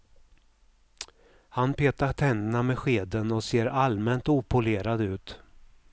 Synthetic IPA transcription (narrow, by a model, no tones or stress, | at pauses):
hanpʰeːt̪aʈʰɛnːəɳamɛɧeːd̪ənɔseːɾalmɛnt̪uːpʰʊleːɾad̪ʉ̟ːt̪